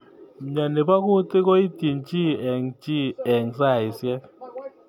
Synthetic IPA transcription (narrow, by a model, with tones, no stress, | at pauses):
m̩˨ɲa˨nɛ˨ɓa˦k̬u˦tʼi˦k̬o˦i˦di˨nt͡ʃʼi˦ɛ˨ŋt͡ʃʼi˦ɛ˨ŋsa˦˨i˨sjɛ˦k